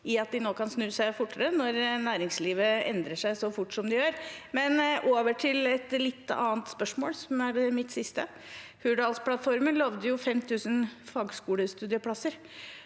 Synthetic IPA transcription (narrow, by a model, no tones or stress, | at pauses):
ɪɑt̪̚d̪ɪnoːkʰɑnsnʉːsæɪfʊʈːəɾənɔɾnæːɾɪŋsliːʋəɛnd̪ɾəʂæɪsɔfʊʈːʂɔmd̪ɪjøːɾmɛnʔoːʋəʈʰɪlɛt̪lɪt̪ːɑ̰ːənt̪spœʂmoːlsɔmæɖɛmɪt̪sɪst̪ə | hʉɖɑːlspʰlɑt̪fɔɾmənlɑʋd̪əjʊfɛmt̪ʰʉːsənfɑːɡskuːləst̪ʉːd̪ɪəpʰɽɑsəɾ